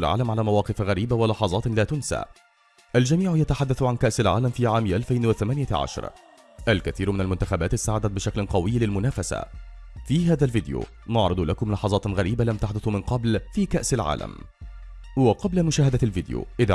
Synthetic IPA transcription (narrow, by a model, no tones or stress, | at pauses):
lʕa̰ːlamʕalaːmawɑːqɨfɣæɾiːbawɑlɑħɑzˤɑːt̪laːt̪ʊnsa̰ː | ʔald͡ʒamiːʕjat̪aħad̪ːaθʕankaʔsalʕa̰ːlamfiːʕaːmʔalfajnwaθamanɪjaʕa̰ʃɑ̰ɾˤ | ʔalkaθiːɾmɪnalmʊnt̪axabaːt̪ɪst̪ːaːʕad̪at̪̚bɪʃaklqɑwɪjːlɪlmʊnaːfasa̰ | fiːɦaːðalvɪd̪jṵ | nɑʕɾɨd̪ˤlakʊmlɑħɑzˤɑːt̪ɣaɾiːbalamt̪aħd̪ʊθmɪnqɑblfiːkaʔsalʕa̰ːla̰m | wɑqɑblamʊʃaːhad̪alvɪd̪jo̰ːʔɪð